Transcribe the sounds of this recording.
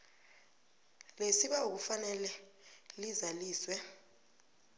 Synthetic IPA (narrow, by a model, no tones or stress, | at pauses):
lesiɓauk̬ufanɛlɛlizaliːswɛ